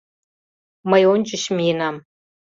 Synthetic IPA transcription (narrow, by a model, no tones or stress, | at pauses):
majond͡ʒʼɪʃminam